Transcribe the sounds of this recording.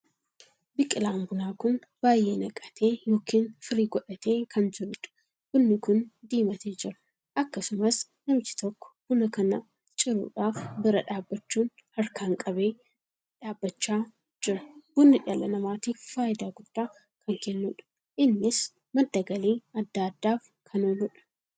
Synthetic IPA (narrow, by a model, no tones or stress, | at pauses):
bɪkʼɪlaːŋɡʊnaːkʊn | b̥aːjeːnɐkʼɐ̥t̪ʰe̞ːjo̞ːkʰiːnfɪɾiːɡɔᶑɐt̪e̞ːkʰɐnd͡ʒɪɾʊᶑɐ̥ | b̥ʊnːɪkʊnd̪iːmɐt̪ʰeːd͡ʒɪɾɐ̥ | ʔɐkːɐsʊmɐs | nɐmt͡ʃɪ̥t̪ɔkːɔ̥b̥ʊnɐkɐnɐ | t͡ʃʼɪɾṵːᶑaːfbɪɾɐᶑaːbːɐt͡ʃːuːnhɐɾkʰaːŋkʼɐbe̞ː | ᶑaːbːɐt͡ʃːaː | d͡ʒɪɾɐb̥ʊnːɪᶑɪaːlɐnɐmaːt̪iːfːaːʔɪd̪aːɡʊd̪̥ːaː | kɐŋkɛnːʊᶑɐ̥ | ʔɪnːɪs | mɐd̪ːɐɡɐleːɐd̪ːaːd̪ːaːf | kʰɐnoːlʊᶑɐ̥